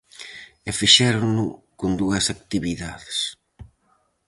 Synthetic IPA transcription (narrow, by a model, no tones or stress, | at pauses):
efiʃɛɾʊnʊkond̪uɐsak̚t̪iβiða̰ðes